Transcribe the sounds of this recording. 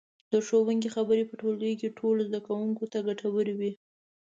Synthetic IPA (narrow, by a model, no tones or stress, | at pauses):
d̪̥əʃowəŋɡixabəɾepəʈold̪əjkeʈʰolozd̪akawuŋkot̪aɡaʈʰawəɾiwi